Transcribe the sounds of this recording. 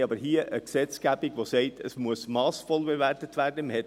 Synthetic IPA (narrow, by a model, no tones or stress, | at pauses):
ɑbəɾɦiəʔəksɛt͡sɡ̥æbiɡ̥ʋosɛɪtʰəsmuəsmɑːsfɔlbeværtətʋæːrdəməhɛ